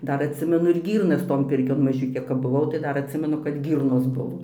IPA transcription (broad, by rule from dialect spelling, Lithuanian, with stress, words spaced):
ˈdɐr ɐtʲˈsʲɪmʲɛnʊ ɪr ˈɡʲiːrnɐs toːn ˈpʲɪrʲkʲoːn mɐˈʒʲʊkʲeː kɐp bʊˈʋɐʊ tɐɪ ˈdɐr ɐtʲˈsʲɪmʲɛnʊ kɐt ˈɡʲiːrnoːs ˈbʊʋoː